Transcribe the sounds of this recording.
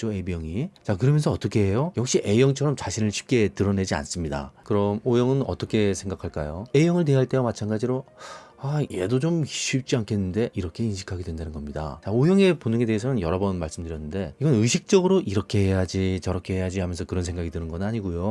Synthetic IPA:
oebijʌŋit͡ɕakɯɾʌmjʌnsʰʌːt͈ʌkʰe̞e̞jojʌkɕ͈iʔe̞jʌŋt͡ɕʰʌɾʌmt͡ɕaɕʰinɯɭɕʰi̥p̚k͈e̞tɯɾʌne̞d͡ʑia̰ns͈ɯmɲida̰kɯɾʌmojʌŋɯnʌ̰t͈ʌkʰe̞sʰe̞ŋɡakʰaɭk͈ajoe̞jʌŋɯɭteɦaɭt͈e̞omat͡ɕʰanɡad͡ʑiɾoaje̞dod͡ʑomi̥ɕ͈uːp̚t͡ɕ͈iankʰe̞nːɯnde̞ʔiɾʌkʰe̞inɕʰi̥kʰaɡe̞dwendanɯnɡʌmɲida̰t͡ɕaojʌŋe̞ponɯŋe̞de̞ɦesʰʌnɯnjʌɾʌbʌnmaɭs͈ɯmdɯɾjʌnːɯnde̞iɡʌnɯɕʰik̚t͡ɕ͈ʌɡɯɾoʔiɾʌkʰe̞ɦejad͡ʑit͡ɕʌɾʌkʰeɦejad͡ʑiɦamjʌnsʰʌkɯɾʌns̬ʰe̞ŋɡaɡitɯnɯnɡʌnnaɲiɡujo

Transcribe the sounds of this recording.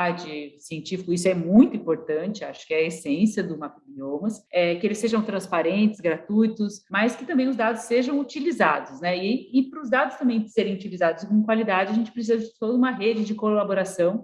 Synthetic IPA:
ad͡ʒɪsiẽnt͡ʃifikʊisʊɛmũj̃t̪ʊĩmpoɾt̪ɐ̃nt͡ʃɪaʃʊ̥kɪɛɐesẽsiɐd̪ʊmapibiomɐsɛkɪelɪsːeʒɐ̃w̃t̪ɾɐ̃spaɾẽnt̪ɪ̥zɡɾat̪ujt̪ʊsmɐskɪ̥t̪ɐ̃mbẽj̃ʊzd̪ad̪ʊsːeʒɐ̃w̃ut͡ʃilizad̪ʊsnɛɪːpɾʊzd̪ad̪ʊst̪ɐ̃mbẽj̃d͡ʒɪseɾẽj̃ut͡ʃilizad̪ʊskõmʊkwalid̪ad͡ʒɪɐʒẽnt͡ʃɪpɾes̬izɐd͡ʒɪɪt̪od̪ɐũmɐɦed͡ʒɪd͡ʒɪkolaboɾasɐ̃w̃

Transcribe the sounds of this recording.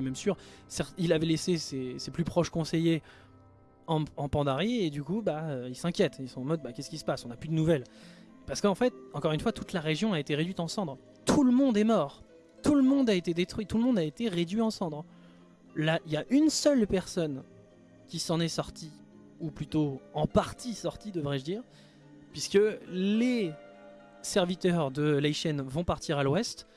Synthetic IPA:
ɛmɛmsyʁsɛʁt̪ilavɛleseseseplypχɔʃkɔ̃seje | ɑ̃ɑ̃pɑ̃d̪aʁied̪ykubaøilsɛ̃kʲjɛt̪ilsɔ̃ɑ̃mɔd̪̚bakʲɛskʲisə̥pasɔ̃naplyd̪ənuvɛl | paʁsə̥kəɑ̃fɛt̪ɑ̃kɔʁynfwat̪ut̪laʁeʒjɔ̃aet̪eʁed̪ɥit̪ɑ̃sɑ̃d̪ʁ | t̪ʰuləmɔ̃d̪ɛmɔːʁ | t̪uləmɔ̃d̪aet̪ed̪et̪χɥit̪uləmɔ̃d̪aet̪eʁed̪ɥiɑ̃sɑ̃d̪ʁ | laʔiljaʔynsœlpɛʁsɔn | kʲisɑ̃nɛsɔʁt̪i | uplyt̪oɑ̃paʁt̪ʰisɔʁt̪id̪əvʁɛʒəd̪iːʁ | pɥiskəle | sɛʁvit̪œʁd̪əlaiʃɛnvɔ̃paʁt̪iʁalwɛst̪

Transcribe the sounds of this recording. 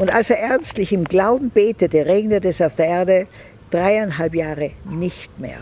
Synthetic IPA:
ʔʊntalseːɐʔɛɐnstlɪçɪmɡlaʊbm̩beːtətəʁeːɡnətɛsaʊfd̥eːɐeːɐdə | d̥ʁaɪaɪnɦalpjaːʁənɪçtmḛːɐ

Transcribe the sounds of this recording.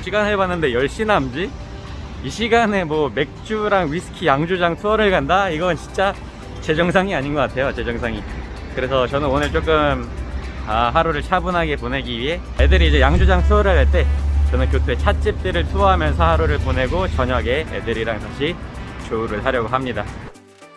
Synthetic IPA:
ɕʰiɡanɦebanːɯnde̞jʌɭɕ͈inɦamd͡ʑi | iɕʰiɡane̞mwʌme̞k̚t͡ɕ͈uɾaŋɥisʰɯ̥kʰijaŋd͡ʑud͡ʑaŋtʰuʌɾɯɭɡandaiɡʌnt͡ɕi̥nt͡ɕ͈a | t͡ɕe̞d͡ʑʌŋsʰaŋiaɲinɡʌk͈atʰe̞jot͡ɕe̞d͡ʑʌŋsʰaŋi | kɯɾe̞sʰʌt͡ɕʌnɯnonɯɭt͡ɕ͈ok͈ɯm | aɦaɾuɾɯɭt͡ɕʰabunɦaɡe̞pone̞ɡiɥiɦe̞ | edɯɾiːd͡ʑe̞jaŋd͡ʑud͡ʑaŋtʰuʌɾɯɭkaɭt͈e̞t͡ɕʌnɯnk̬jotʰuet͡ɕʰat͡ɕ͈ip̚t͈eɾɯɭtʰuɦamjʌns̬ʰʌhaɾuɾɯɭpone̞ɡot͡ɕʌɲʌɡe̞ḛdɯɾiɾaŋtaɕʰit͡ɕouɾɯɭsʰaɾjʌɡoɦamɲida

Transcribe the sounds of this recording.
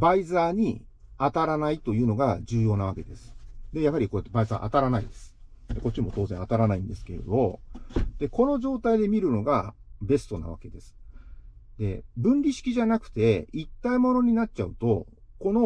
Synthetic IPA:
baizaːɲ̟i | at̪aɾanait̪o̞jɯ̟ːno̞ɡad͡ʑɨːjo̞ːnaβ̞ake̞d̪e̞sɨ̥d̪e̞jaɦaɾʲiko̞et̪ːebaiza̰ʔa̰t̪aɾanaid̪e̞sɨ̥d̪eko̞tt͡ɕːimo̞t̪o̞ːzẽat̪aɾanaĩnd̪e̞sɨ̥ke̞ɾ̰d̪o̞d̪̥e̞ko̞no̞ʑo̞ːt̪aid̪e̞mʲiɾɯ̟no̞ɡabe̞sɨ̥t̪o̞na̰βa̰ke̞d̪e̞sɨ̥ | d̪e̞bɯ̟̃nɾʲiɕi̥kʲiʑanakɯ̟̥t̪e̞it̪ːaimo̞no̞ɲ̟inat͡ɕaɯ̟t̪o̞ | ko̞no̞

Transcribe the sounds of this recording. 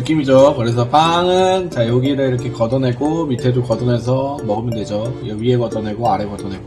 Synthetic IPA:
nɯk͈imid͡ʑokɯɾe̞s̬ʰʌp͈aŋɯnt͡ɕajʌɡiɾɯɭiɾʌkʰekʌdʌnɦe̞ɡomitʰedokʌdʌne̞s̬ʰʌmʌɡɯmjʌndwe̞d͡ʑojʌɥieɡʌdʌnɦe̞ɡoaɾeɡʌdʌnɦeɡo

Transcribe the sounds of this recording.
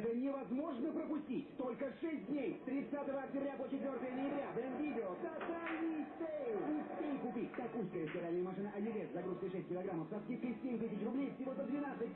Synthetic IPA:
ʐɨnʲɪvɐzmo̞ʐnəpɾəpʊsʲtʲitʲt̪o̞lʲkəʂɛsʲt̚ʲd̪ʲnʲejst̪ɾʲɪt̪sat̪əvəɐk̚tʲɪbɾʲapot͡ɕɪt̪vʲo̞rt̪əjənəjɪbɾʲavɾʲɛmvʲidʲɪot̪ɐt̪anʲit̪ejlʲɪsʲejkʊpʲitʲt̪ɐkuskəjəstʲɪɾalʲnəjəmɐʂɨnəʔɐdʲiɾʲet̪zɐɡɾuskəjʂɛsʲt̚ʲkʲɪlˠɐɡɾamːəfsɐskʲit̪kɨsʲsʲemʲt̪̬ɨsʲɪt͡ɕrʊblʲejfsʲɪvozəd̪vʲɪnat̪sɨt̚ʲ

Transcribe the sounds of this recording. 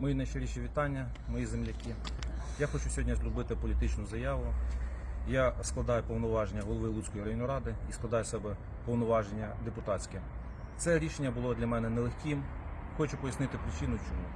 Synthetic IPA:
mɔjinɐjʃeɾʲiʃʲiʋʲit̪ɑnʲːɐ | mɔjizemlʲɐkʲi | jaxɔt͡ʃʊsʲɔɔdʲnʲɐzʲlʲʊbɪt̪ɪpɔlʲit̪ɪt͡ʃnʊzɐjɑʋʊ | jasklˠɐd̪ɑjʊpɔʋnɔʋɑʒenʲːɐɦɔlˠɔʋɪlˠut͡sʲkɔjiɾɐjɔnʲːɔɾɑd̪ɪisklˠɐd̪ɑjʊsɛbɛ | pɔwnɔʋɑʒenʲːɐd̪epʊt̪ɑt͡sʲkɛ | t̪sɛɾʲiʃenʲːɐbʊlˠɔd̪ʲlʲɐmɛnɛnɛlˠexʲkʲim | xɔt͡ʃʊpɔjɐsnɪt̪ɪpɾɪt͡ʃinʊt͡ʃɔmu

